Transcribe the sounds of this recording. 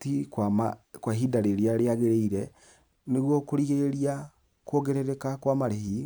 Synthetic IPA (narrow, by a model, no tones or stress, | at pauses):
tikwamakwaɦidaɾeɾeaɾeaɣeɾeiɾɛ | neɣwɔkoɾiɣeɾia | kwoɣeɾeɾekakwamaɾehi